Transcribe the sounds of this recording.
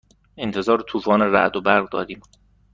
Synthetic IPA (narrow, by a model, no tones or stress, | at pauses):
ent̪ʰe̞zɒːɾet̪ʰuːfɒːneɾæ̰ʔd̪obæɾɣd̪ɒ̰ːd̪iːm